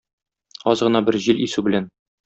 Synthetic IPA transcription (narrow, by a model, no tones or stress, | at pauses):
ɒzʁɤ̆nɑbɘɾʑilisʉbɘ̆læn